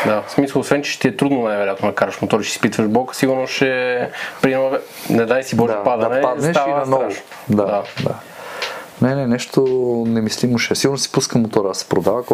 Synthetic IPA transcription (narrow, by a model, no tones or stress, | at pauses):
d̪asmisəlˠosvɛnt͡ʃɛʃt̪iɛt̪ɾud̪nonajvɛɾʲjat̪nonɐkaɾvɐʃmot̪ɔɾiʃɛ̥sisi̥pit̪vəʒbɔkə̥siɡʊɾnoʃɛpɾiɛnɔvɛ | nɛd̪ajsibɔʒɛapad̪ɐɐnɐlpad̪nɛʃainɐnɔɾaʊʃ | d̪ad̪ad̪a | nɛnɛnɛʃt̪onɛmislimoʃɛsiɡʊɾnosi̥puskəmot̪ɔɾɐɐsɛ̥pɾod̪avɐk